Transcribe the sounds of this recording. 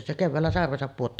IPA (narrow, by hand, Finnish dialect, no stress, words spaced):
se keʋːæːlːæ sɑrʋesɑp puotːɑː